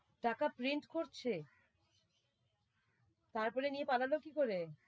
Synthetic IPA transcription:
ʈakapɾiɳʈkoɾt͡ɕʰe | t̪aɾpɔɾenijepalalokikoɾe

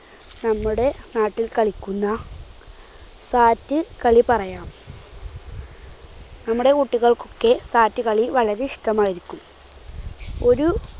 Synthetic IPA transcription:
nɐmːuɽe̞naːʈːilkɐɭikʲːunːɐ | saːtːɨkɐɭipɐrɐjaːm | nɐmːuɽe̞kuʈːiɣɐɭko̞kːe̞saːtːɨkɐɭiʋɐɭɐɾiʂʈɐmaːjiɾikʲːum | o̞ɾu

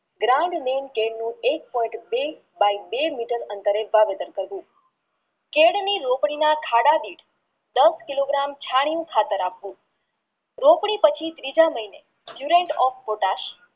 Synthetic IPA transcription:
ɡɾaɳɖnenkeɽnũek̚pɔĩɳʈbe | baibemiʈəɾənt̪əɾeʋaʋet̪ənkəɾʋũ | keɽniɾopɽ̃inakʰaɽad̪iʈ | d̪əskiloɡɾamt͡ʃʰaɽ̃ijũkʰat̪əɾapʋũ | ɾopɽ̃ipət͡ʃʰit̪ɾid͡ʒaməɦine | bjuɾeɳʈɔfpoʈaʃ

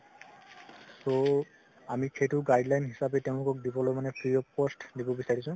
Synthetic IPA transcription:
so | amixʰejtʊɡajdlajnɦisapɛteʊ̃lʊkɔk̚dibɔlojmanɛpʰɹiɔpɔstdibɔbisaɹisʊ̃

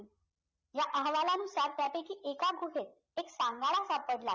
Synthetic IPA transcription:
jaʔəɦʋalaənusaɾt̪japekiːʔekaɡʱuɦet̪ | eksãŋɡaɭ̃asapəɽla̰

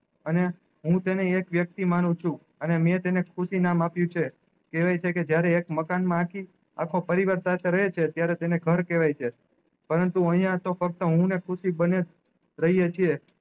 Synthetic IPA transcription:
əne | ɦũt̪eneekʋjək̚t̪imanũt͡ʃʰũ | ənemẽt̪enekʰuʃinamapjũt͡ʃʰe | keʋajt͡ʃʰeked͡ʒjaɾeːkməkanmãakʰi | a̰kʰopəɾiʋaɾsat̪ʰeɾəɦet͡ʃʰet̪jaɾet̪eneɡʱəɾkeʋajt͡ʃʰe | pəɾənt̪uə̃ɦijãt̪ofək̚t̪əɦũnekʰʊʃibəned͡ʒ | ɾəɦijet͡ʃʰie

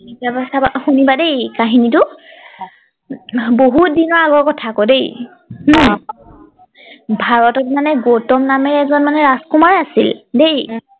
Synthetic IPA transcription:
iabasabaxunibadejkaɦinitʊ | boɦut̚dinɔɹaɡɔɹkɔtʰakodej | nɔ | bʱaɹɔtɔtmanɛɡotɔmnamɛɹɛzɔnmanɛɹaskumaɹasildej

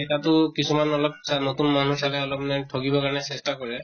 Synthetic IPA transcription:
etatʊkisʰumanɔlɔp̚sanot̪unman̤usalɛɔlɔpnajtʰokibɔkaɹɔnɛsestakɔɹɛ

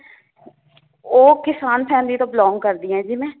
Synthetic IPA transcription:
oːkɪsaːnpʰɛ̃ːnd̪iːt̪oːblɔ̃ːŋɡkəɾd̪iːɦɛ̃ːd͡ʒimẽː

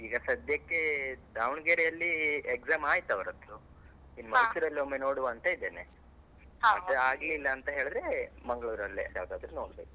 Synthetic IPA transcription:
iːɡɐsɐd̪jɐkːed̪aːʋɳɡeɾejɐlːiekzaːmaːjt̪ːɐʋɐɾɐd̪ːu | inːumɐjsuɾɐlːiomːeno̞ːɽuʋaːnt̪ɐid̪eːne | aɐaːɡlilːɐːnt̪ɐɦe̞ːɭɨd̪ɾemɐŋɡɐɭuːɾɐlːḭja̰ːʋd̪aːd̪ɾunoːɽbeːku

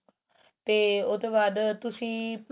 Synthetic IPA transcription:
t̪eːoːd̪õːbaːd̪t̪ʊsĩːp

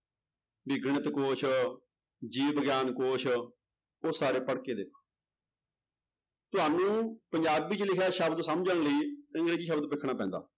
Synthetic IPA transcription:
bɪɡəɳət̪koːʃʰ | d͡ʒiːbəɡjaːnkoːʃʰ | osːaːɾeːpəɽkeːd̪ɪkʰo | t̪ʊɦaːnũːpəɲd͡ʒaːbiːt͡ʃəlɪkʰaːʃəbd̪səmd͡ʒəɳləiːə̃ŋɡɾeːd͡ʒiːʃəbd̪pɪkʰːɽ̃aːpɛ̃ːnd̪a̰ː

